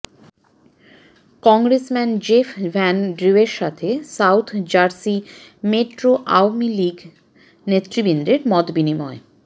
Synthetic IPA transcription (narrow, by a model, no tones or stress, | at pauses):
kɔŋɡɾesmɛnd͡ʑefʰvɛnɖɾiweɾʃat̪ʰesawt̪ʰd͡ʑaɾsimeʈɾoʔa̰wmiliɡ | net̪ːɾibind̪ɾeɾmɔd̪binimɔ̰e